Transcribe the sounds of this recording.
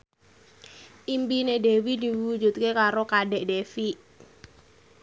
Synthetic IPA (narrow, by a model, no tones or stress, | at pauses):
ʔimpinedewid̪i̤ud͡ʒṳt̪̚kekaɾokaɖɛʔɖefiʔ